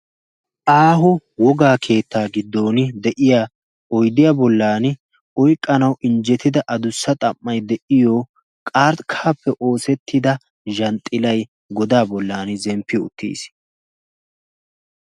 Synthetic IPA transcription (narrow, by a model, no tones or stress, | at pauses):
ʔaːɦʊwɔɡaːkʰe̞ːt̪ʰːaːɡɪd̪ːo̞ːnɪd̪ɛʔɪjaː | ʔɔjd̪ɪjaːbɔlːaːn | ʔɔjkʼːɐnɐwʔɪnd͡ʒɛt̪ːɪd̪ɐʔɐd̪ʊsːɐt̪ʼɐmːɐjd̪ɛʔɪjoː | kʼaːɾt̪kʰaːpːɛʔo̞ːsɛt̪ʰːɪd̪ɐ | ʒɐnt̪ʼːɪlɐj | ɡɔd̪aːbɔlːaːnzɛmpːɪʊ̰t̪ːḭːs